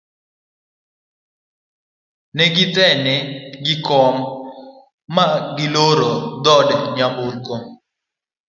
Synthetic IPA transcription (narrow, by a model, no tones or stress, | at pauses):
nɛɡɪtɛnɛɡɪkɔm | aɡiloɾod̪ɔdɛɲamʊlkom